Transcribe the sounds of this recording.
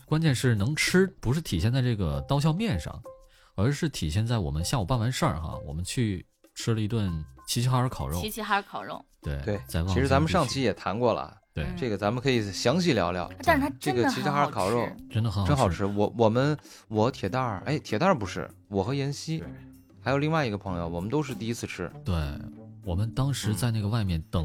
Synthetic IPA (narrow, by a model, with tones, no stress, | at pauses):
kwa˥nt͡ɕjɛ˥˧nʂɻ̩˥˩nɤ˧˥ŋʈ͡ʂ̩ʰ˥pu˧˥ʂ̬ɻ̩˥˩t̪ʰi˨˩ɕjɛ˥˧nt͡sa˥˧ɪʈ͡ʂɤ˥˩ɡə˩t̪ɑ˥ʊɕjɑ˥˧ʊmjɛ˥˧˩nʂɑ̰˥˩ŋ | ə˞˧˥ʂɻ̩˥˩t̪ʰi˨˩ɕjɛ˥˧nt͡sa˥˩ɪwɔ̰˨˩mə˦nɕja˥˩wɔ˨˩pa˥˩nwa˧˥nʂə˞˥˧˩xɐ̰˧˩wɔ̰˨˩mə˦nt͡ɕʰy˥˩ | ʈ͡ʂʰɻ̩˥lə˨i˧˥t̪wa˥˩nt͡ɕʰi˧˥t͡ɕʰi˥xa˥ə˞˧˥kʰɑ˨˩ʊɻo˥˧˥xa˥˧˥kʰɑ˨˩ʊɻo̰˥˧˩t̪we˥˩ɪtwe˥˩ɪt͡ɕt͡sa˥˩ɪwɑ˥˧i˧˥ʂɻ̩˧˥t͡sa˧˥mə˧n˧ʂɑ˥˩ŋt͡ɕʰi˥jɛ˨˩t̪ʰa˧˥nkwɔ˥˩lə̰˨˩t̪we˥˩ɪʈ͡ʂɤ˥˩ɡə˩t͡sa˧˥mə˧nkʰɤ˧˥i˨˩ɕjɑ˧˥ŋɕi˥˩ljɑ˧˥ʊljɑ̰˧˩˦t̪a˥˧ɻʰʈ͡ʂɤ˥˩ɡə˩t͡ɕʰi˧˥i˥xa˧˥kʰɑ˨˩ʊɻo˥˩ʊʈ͡ʂə˥nd̪ə˨xə˧˥xʈ͡ʂə˥nxɑ˨˩ʊʈ͡ʂʰɻ̩˥wɔ˧˥wɔ˨˩mə˦nwɔ˧˥t̪ʰjɛ˨˩t̪a˥˩ḛ˥˩ɪt̪ʰjɛ˨˩t̪a˞˥˧˩pu˧˥ʂɻ̩̰˥˩ | wɔ˨˩xɤ˧˥jɛ˧˥nɕi˥ | xa˧˥jo˨˩ʊli˥˧ŋwa˥˩ɪi˧ɡə˧pʰɤ˧˥ŋjo˧ʊwɔ˨˩mə˦nt̪o˥ʊʂɻ̩˥˧t̪i˥˩i˥t͡sʰɹ̩˥˧ʈ͡ʂʰɻ̩˥t̪we˥˩ɪwɔ˨˩mə˦nt̪ɑ˥ŋʂɻ̩˧˥t͡sa˥˧ɪna˥˩ɡə˧wa˥˧ɪmjɛ˥˩nt̪ɤ˨˩ŋ